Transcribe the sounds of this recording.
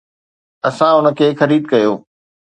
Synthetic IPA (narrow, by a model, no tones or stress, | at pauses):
ɐsãʊnə̆kʰeːxɐɾiːd̪̚kɐjoː